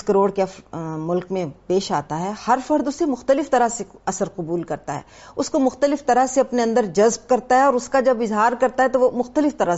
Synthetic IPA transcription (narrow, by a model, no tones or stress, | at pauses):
kɐɾoːɽkeɐfmʊlkmẽpeːʃaːt̪aɦɛːhɐɾfɐɾd̪ʊsːemʊxt̪əlɪft̪ɐɾaseɐsəɾqʊbuːlkɐɾt̪aɦɛ̰ːʊskomʊxt̪əlɪft̪ɐɾəɦseɐpneɐ̃nd̪əɾd͡ʒɐzb̚kɐɾt̪aɦɛɔːɾʊskad͡ʒɐbɪzɦaːɾkɐɾt̪aɦɛt̪oʋomʊxt̪əlɪft̪ɐɾə